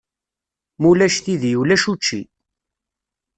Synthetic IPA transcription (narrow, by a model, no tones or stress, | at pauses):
mulæʃθiðjulæʃut͡ʃːḭ